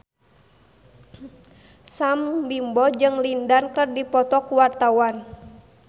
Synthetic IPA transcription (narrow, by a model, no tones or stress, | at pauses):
sambimbɔd͡ʒɨŋlindankɨrdipɔt̪ɔkuwart̪awan